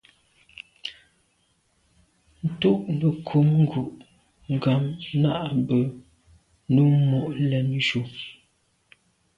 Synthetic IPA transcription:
n̩˨tu˦˨ʔbə˨kʰu˨˦mŋ˦ɡu˨ʔ | ŋ˨ɡa˨mna˦ʔbə˨ | nu˦mɔ˨ʔlɛ˨n˦ʃu˨

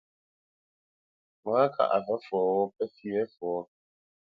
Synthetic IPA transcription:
mã˦a˦kʰa̰˨ʔa˨fɛ˦fʊ˨ɔ˨wɔ˦pʰɛ˦si˦ɛ˦fʊ˨ɔ˦

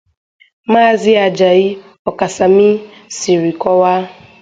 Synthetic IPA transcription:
ma˦˨zɪ˦a˨d͡ʒa˨i˦ | ɔ˨ka˨sa˨mi˦si˨ɾi˨kɔ˦wa˦

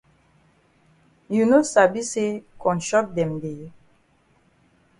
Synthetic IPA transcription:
ju˨no˦sa˨bi˦se˦kɔ̃˨nʃɔ˦k̚dɛ̃˨mde˨

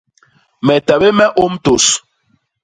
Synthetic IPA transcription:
mɛ˨ta˨be˦mɛ˦ʔo˦m˦to˨s

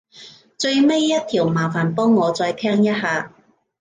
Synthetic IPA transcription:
t͡ʃɵ˧ɥme˥jːɐ˥t̪̚ʰiː˨˩wmaː˨˩faː˨˩npɔː˥ŋːɔː˨˧t͡sɔː˧jt̪ʰɛː˥ŋjɐ˥t̚haː˨˧

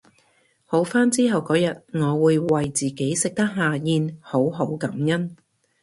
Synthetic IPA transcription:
ho˨˥wfaː˥nt͡siː˥ɦɐ˨wkɔː˨˥jɐ˨t̚ŋɔː˨˧wuː˨˧jwɐ˨jt͡siː˨˩ke˨˥jsɪ˨k̚t̪ɐ˥k̚ɦaː˨˧jiː˧nho˨˥wɦo˨˥wkɐ˨˥mjɐ˥n

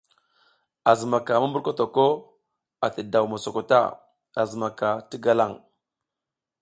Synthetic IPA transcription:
a˨zə˨ma˨ka˨ma˦mbu˦ɾko˦to˨ko˦ | a˨tə˨da˨wma˨so˨ko˨ta̰˦ | a˨zə˨ma˨ka˨ti˦ɡa˦la˦˨ŋ

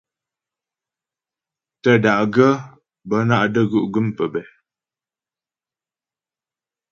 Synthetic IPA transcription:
tə˦˨da˨ʔɡə˦ | bə˨˦na˦ʔdə˦˨ɡʉ˦˨ʔɡʉ˦mpə˨bɛ˨

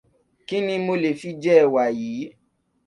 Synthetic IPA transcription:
ki˦nĩ˧mo˧le˨fi˧d͡ʒɛ˦˨wa˨jiː˨˦

